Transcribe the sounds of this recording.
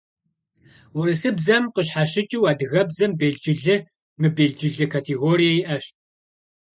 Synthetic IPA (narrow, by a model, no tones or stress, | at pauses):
wʊɾɨsɨbzɐmqəɕħaɕɪt͡ʃʼiwaːdɨɣɐbzɐmbeːɮd͡ʒɪɮɨ | mɨbeːɮd͡ʒɪɮɨkʰaːtʰeɣoːɾijajiʔɐɕt̚